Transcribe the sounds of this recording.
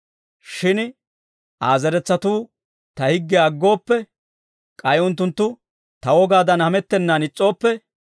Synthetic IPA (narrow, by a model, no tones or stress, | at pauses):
ʃɪn | ʔaːzɛɾɛt͡sːɐt̪uː | t̪ɐhɪɡːɛɐɡːo̞ːpːɛ | kʼɐjʊnt̪̬ːʊnt̪ːʊ | t̪ɐwɔɡaːd̪ɐnhɐmɛt̪ːɛnːaːnɪt͡sʼːo̞ːpːɛ